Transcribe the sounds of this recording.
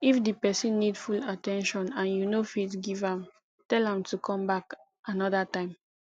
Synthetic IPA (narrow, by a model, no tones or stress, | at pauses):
ifdipɛsĩnːidfulatɛ̃nʃɔ̃nãnjunofitɡivãm | tɛlãmtukʰɔ̃mbak | ʔanɔdatãɪ̃m